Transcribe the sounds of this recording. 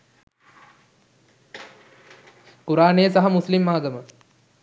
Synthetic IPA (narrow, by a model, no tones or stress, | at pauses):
kuɾaːneːsɐɦɐmuslimːaːɡɐmə